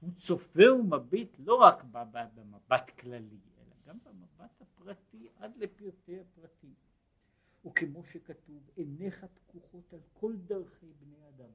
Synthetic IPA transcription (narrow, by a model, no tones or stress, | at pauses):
hut͡so̞feumabit̪lo̞ʁakbababemabat̪klaliʔe̞̰la̰ɡambemabathapʁatiʔad̪lepiʁt̪ejapʁati | ukemo̞ʃekatuveneχapkuχo̞talkʰo̞ldaʁχejbnejad̪am